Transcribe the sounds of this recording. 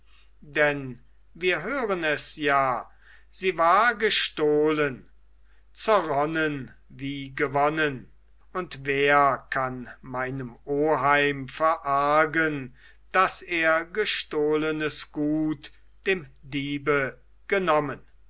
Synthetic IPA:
dɛn | viːɐɦøːʁənɛsjaː | z̥iːvaːɐɡəʃtoːlən | t͡sɛʁɔnən | viːɡəvɔnən | ʊntveːɐkʰanmaɪnəmoːɦaɪmfɛɐʔaɐɡən | d̥aseːɐɡəʃtoːlənəsɡ̥uːt | d̥eːmdiːbə | ɡ̥ənɔmən

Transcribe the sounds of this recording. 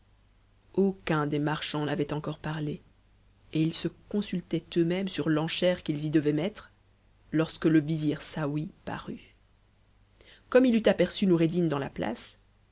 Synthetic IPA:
okɛ̃d̪emaʁʃɑ̃navɛt̪ɑ̃kɔʁpaʁle | eilsəkɔ̃sylt̪ɛt̪ømɛmsyʁlɑ̃ʃɛʁkilzid̪əvɛmɛt̪χ | lɔʁskələviziʁsawipa̰ʁy | kɔmilyt̪apɛʁsynuʁed̪ind̪ɑ̃la̰pla̰s

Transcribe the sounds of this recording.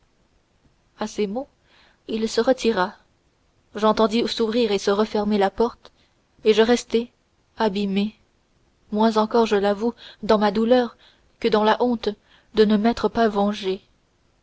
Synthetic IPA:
asemo | ilsəʁət̪ʰiʁa | ʒɑ̃t̪ɑ̃d̪isuvʁiʁesəʁəfɛʁmelapɔʁt̪ | eʒəʁɛst̪ɛ | abime | mwɛ̃zɑ̃kɔʁʒəlavud̪ɑ̃mad̪ulœʁ | kəd̪ɑ̃laʔɔ̃t̪ | d̪ənəmɛt̪χəpavɑ̃ʒe

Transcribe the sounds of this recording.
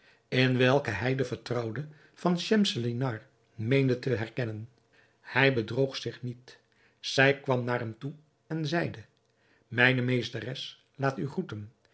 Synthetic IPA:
ɪnʋɛlˠkəɦɛjdəvəɹtrɑwdə | vɑnʃɛmsəlinɑɹ | mejndətəɦɛɹkɛnən | hɛjbədrowχsɪχnit | z̥ɛjkʋɑmnaːrɦɛmtu | ɛnzɛjdə | mɛjnəmejstərɛs | laːtyχutən

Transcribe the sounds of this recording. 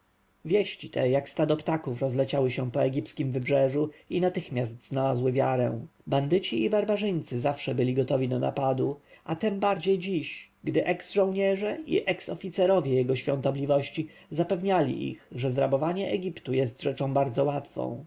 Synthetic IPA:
vʲjɛɕt͡ɕit̪ʰɛjakst̪ad̪ɔpt̪akufɾɔzlɛt͡ɕawɘɕɛpɔɛɡʲiptskʲimvɘbʐɛʐuinat̪ɘxmʲjast̪znalazwɘvʲjaɾɛ̰w̃band̪ɘt͡ɕiibaɾbaʐɘɲt̪sɘzafʂɛbɘlʲiɡɔt̪ɔvʲid̪ɔna̰pad̪uat̪ɛmbaɾd͡ʑejd͡ʑiɕ | ɡd̪ɘʔɛksʐɔ̃w̃ɲɛʐɛʔḭʔɛksɔfʲit̪sɛɾɔvʲjɛjɛɡɔɕfʲjɔ̃nt̪ɔblʲivɔɕt͡ɕizapɛvɲalʲḭʔḭxʐɛzɾabɔvaɲɛʔɛɡʲipt̪ujɛst̪ʐɛt͡ʂɔ̃w̃baɾd̪zɔwat̪fɔ̰̃w̃

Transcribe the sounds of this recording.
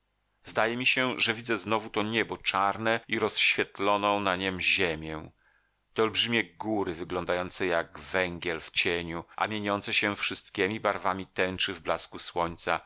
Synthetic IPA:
zd̪ajɛmʲiɕɛʐɛvʲid̪zɛznɔvut̪ɔɲɛbɔt͡ʂaɾnɛiɾɔsɕfʲjɛt̪lɔnɔ̃w̃naɲɛmʑemʲjɛ̃ | t̪ɛɔlbʐɘmʲjɛɡuɾɘvɘɡlɔ̃nd̪ajɔnt̪sɛjaɡvɛŋɡʲjɛlft͡ɕeɲuʔa̰mʲjeɲɔnt̪sɛɕɛfʂɘst̪kʲemʲibaɾvamʲit̪ɛ̃nt͡ʂɘvblaskuswɔɲt̪sa

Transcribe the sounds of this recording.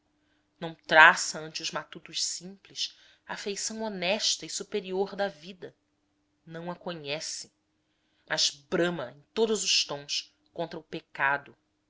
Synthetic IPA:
nɐ̃w̃t̪ɾasɐɐ̃nt͡ʃɪʊzmat̪ut̪ʊʃsĩmplɪʃ | ɐːfejsɐ̃w̃onɛʃt̪ɐɪsupeɾioɾd̪ɐvid̪ɐ | nɐ̃w̃ɐkoɲɛsɪ | mɐzbɾɐ̃mɐẽj̃t̪od̪ʊzʊʃt̪õw̃s | kõnt̪ɾɐʊpekad̪ʊ

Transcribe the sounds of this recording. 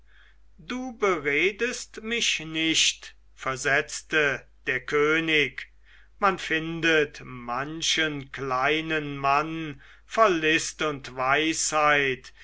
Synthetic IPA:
duːbəʁeːdəstmɪʃnɪʃt | fɛɐzɛt͡stəd̥eːɐkʰøːnɪk | manfɪndətmanʃənklaɪnənman | fɔlːɪstʊntvaɪshaɪt

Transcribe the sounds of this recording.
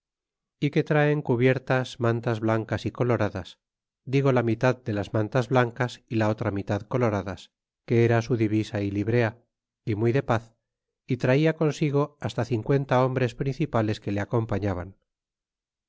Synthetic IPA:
ike̞t̪ɾaeŋkuβ̞je̞ɾt̪asmãnt̪azβlaŋkasiko̞lo̞ɾaðas | d̪iɣ̞o̞lamit̪aðd̪e̞lazmãnt̪azβlaŋkasilao̞t̪ɾamit̪aðko̞lo̞ɾaðas | ke̞eɾasuðiβisailiβɾe̞a | imujðe̞paθ | it̪ɾaiako̞nsiɣo̞ast̪aθiŋkwe̞nt̪ao̞mbɾe̞spɾinθipale̞skele̞ako̞mpaɲaβa̰n

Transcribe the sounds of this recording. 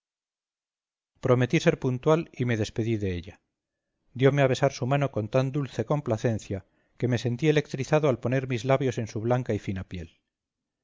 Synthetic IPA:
pɾo̞me̞t̪ise̞ɾpunt̪walime̞ðe̞spe̞ðiðe̞eʎa | d̪jo̞meaβe̞saɾsumano̞ko̞nt̪and̪ulθe̞ko̞mplaθe̞nθja | ke̞me̞se̞nt̪ie̞le̞kt̪ɾiθaðoalpo̞ne̞ɾmizlaβjo̞se̞nsuβlaŋkaifinapje̞l

